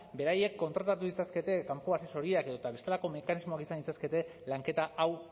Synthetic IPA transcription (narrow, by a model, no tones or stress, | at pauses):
be̞ɾaje̞kːo̞nt̪ɾat̪at̪uðit͡saske̞t̪e̞kampuaseso̞ɾiake̞ðot̪aβe̞st̪elako̞me̞kanizmo̞akisanit͡saske̞t̪e̞ | laŋke̞t̪aʔaw